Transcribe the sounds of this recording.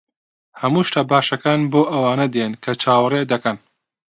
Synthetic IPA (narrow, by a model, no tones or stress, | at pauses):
hɐmuːʃt̪aːbaːʃɐkaːnboːʔɐwaːnɐd̪enkʰɐt͡ʃʰaːwred̪ɐkɐn